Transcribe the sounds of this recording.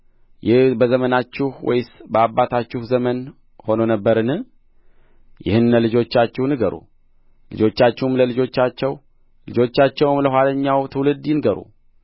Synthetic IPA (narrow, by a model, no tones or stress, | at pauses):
jɪhbəzəmənat͡ʃːɪhwɔ̰jsbəabːat̪ʰat͡ʃːɪhzəmən | ho̞nonəbːəɾɨnɨ | jɪ̰hɨnːəlɨd͡ʒo̞t͡ʃːat͡ʃːɛhnɨɡəɾṵ | lɨ̰d͡ʒo̞t͡ʃːat͡ʃːɛhmləlɨd͡ʒo̞t͡ʃːat͡ʃːɛw | lɨd͡ʒo̞t͡ʃːat͡ʃːɛwmləɦwaləɲːawt̪ʰɨwlɨd̪jɪnɨɡəɾṵ